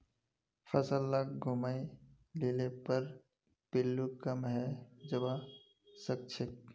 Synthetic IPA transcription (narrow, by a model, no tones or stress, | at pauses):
fʰəsəlːakɡʱʊmai | leːlepəɾ | pɪlːukəmɦɛd͡ʒəba | sək̚t͡ʃʰɪk̚